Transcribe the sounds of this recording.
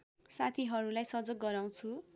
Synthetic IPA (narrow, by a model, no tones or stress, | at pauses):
sat̪ʰiɦʌɾulajsʌd͡zʌk̚ɡʌɾaw̃t͡sʰu